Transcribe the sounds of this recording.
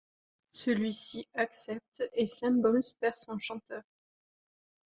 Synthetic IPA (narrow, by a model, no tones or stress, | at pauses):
səlɥisiaksɛp̚t̪esɛ̃mbɔmspɛʁsɔ̃ʃɑ̃t̪œːʁ